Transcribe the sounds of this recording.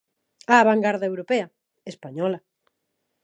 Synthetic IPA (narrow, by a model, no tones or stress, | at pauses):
aːβaŋɡaɾðaewɾopeɐ | espaɲɔla